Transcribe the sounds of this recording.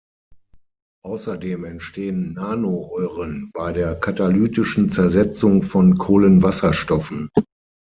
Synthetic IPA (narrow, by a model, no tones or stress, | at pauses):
ʔaʊsɐdeːmɛntʃteːənːaːnoʔɔʏʁənb̥aɪdeːɐkʰatalyːtɪʃn̩t͡sɛɐzɛt͡sʊŋfɔnkʰoːlənvasɐʃtɔfn̩